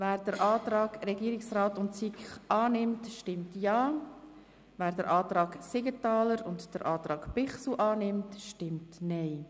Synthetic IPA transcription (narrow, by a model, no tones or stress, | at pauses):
væːɾd̥əɾʔɑːtɾɑːɡɾɛɡiːəɾɪksrɑːtʊntsikχʔɑːnɪmtʃtɪmtjɑː | væːɾdəɾʔɑːtɾɑːɡsɪɡətɑːləɾʊndd̥əɾʔɑːt̪ɾɑːɡ̥pɪχsuʔɑːnɪmtʃtɪmtnɛɪ